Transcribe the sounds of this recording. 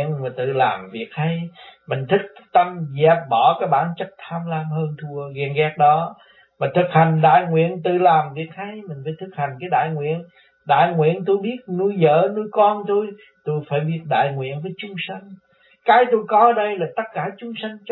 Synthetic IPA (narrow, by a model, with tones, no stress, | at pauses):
ənmaː˨˩t̪ɨ̰˧˨laː˨˩mvi˨˩ək̚ha˧jmï˨˩ŋ̟t̪ʰï˦˥k̚t̪ə˧mzɛ˨˩p̚ɓɔ˧˩kaː˨˦jɓaː˧˩nt͡ɕə˦˥t̚t̪ʰaː˧mlaː˧mhəː˧nt̪ʰu˧əɣɛ˧˩nɣɛ˦˥t̚ɗɔ˨˦ | ma˨˩t̪ʰɨ˨˩k̚ha˨˩jŋ̟ɗa̰ː˧˨jŋwḭ˧˨ənt̪ɨ̰˧˨laː˨˩mvi˨˩ək̚ha˧jmï˨˩ŋ̟faː˨˦jt̪ʰɨ˨˩k̚ha˨˩ŋ̟kaː˨˦jɗa̰ː˧˨jŋwḭ˧˨ən | ɗa̰ː˧˨jŋwḭ˧˨ənt̪o˧jɓi˦˥ət̚nu˧əjzə̰ː˧˨nu˧jkɔ˧nt̪o˧j | t̪o˧jfaː˧˩jɓi˦˥ət̚ɗa̰ː˧˨jŋwḭ˧˨ənvəː˨˦jt͡ɕʊ˨˦ŋ͡msa˧ŋ̟ | kaː˨˦jt̪o˧jkɔ˨˦ʔəː˧˦ɗə˧jlaː˨˩t̪ə˦˥t̚kaː˧˩t͡ɕʊ˨˦ŋ͡msa˧ŋ